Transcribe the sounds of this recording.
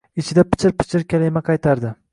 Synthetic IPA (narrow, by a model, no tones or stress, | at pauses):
ɪt͡ʃʰɪd̪apʰɪ̥t͡ʃʰɪɾpʰɪ̥t͡ʃʰɪɾkʲʰalajmaqʰɑjt̪ʰaɾd̪ɪ